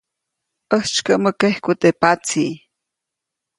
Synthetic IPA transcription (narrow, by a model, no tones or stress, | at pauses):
ʔəht͡ʃkəʔməkehkut̪epat͡siː